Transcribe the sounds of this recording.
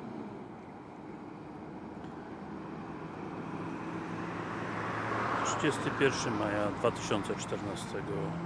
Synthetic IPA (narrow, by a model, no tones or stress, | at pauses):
t̪ʂɘd͡ʑɛst̪ɘpʲjɛɾfʂɘmajad̪vat̪ɘ̥ɕɔnt̪sɛt͡ʂt̪ɛɾnast̪ɛɡɔ